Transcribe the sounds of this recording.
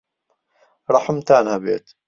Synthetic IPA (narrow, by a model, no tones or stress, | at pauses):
ɾˤɑħəmt̪aːnhɐbḛːt̪